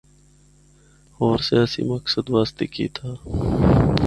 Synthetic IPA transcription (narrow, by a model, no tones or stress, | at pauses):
oːɾsijaːsḭmɐksəd̪ʋaːst̪eːkḭːt̪ʰaː